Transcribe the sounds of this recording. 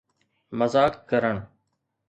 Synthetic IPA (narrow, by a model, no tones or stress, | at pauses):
məzaːkːəɾəɳ̃